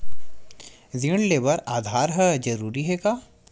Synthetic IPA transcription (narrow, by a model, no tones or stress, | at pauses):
ziɽ̃leːbəɾaːd̪ʱaːɾɦɛd͡ʒɐɾuːɾiɦɛːkaː